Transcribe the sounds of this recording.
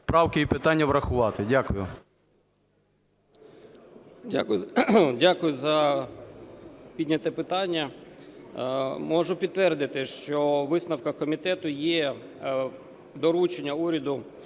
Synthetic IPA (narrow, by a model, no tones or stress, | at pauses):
spɾɑwkɪipɪt̪ɑnʲːɐʋɾɐxʊʋɑt̪ɪdʲakʊjʊ̰ | dʲa̰kʊdʲakʊjʊzɐ | pʲidʲnʲɐt̪ɛpɪt̪ɑnʲːɐ | mɔʒʊpʲid̪t̪ʋɛrd̪ɪt̪ɪʃt͡ʃɔʋɪsnɐwkɐkɔmʲit̪ɛt̪ʊjɛ | d̪ɔɾut͡ʃenʲːɐuɾʲɐd̪ʊ